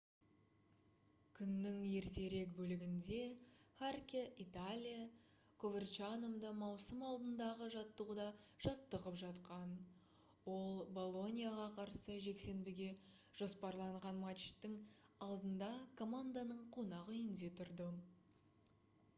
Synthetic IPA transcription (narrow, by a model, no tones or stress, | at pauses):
kʲʰʏnːɪŋe̞ɾt̪e̞ɾe̞kbɵlɪɡʲɪnd̪e̞χarkʲeʔit̪alʲija | kʰovert͡ʃanomd̪əmɑwsəmɑlˠd̪ənd̪ɑʁəʒɑt̪ːəd̪ɑʒ̥ɑt̪ːəʁəpʒɑt̪qɑn | wo̞lˠbo̞lˠo̞nʲijaʁɑqʰɑɾsəʒe̞kse̞nbɪɡʲe̞ | ʒ̥o̞spɑɾlˠɑɴʁɑnmat͡ʃɪ̥t̪ːɪŋɑlˠd̪ənd̪ɑkʰo̞mand̪anəɴqʰonɑʁʏjɪnd̪e̞t̪ʰʊɾd̪ə